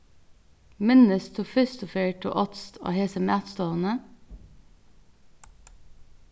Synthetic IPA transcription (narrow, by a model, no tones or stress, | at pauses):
mɪnəst̪ʰuːfʏst̪ʊfeːʈʰṵːʔɔt̪st̪ʰo̰ːheːsəmæːt̪st̪oːnə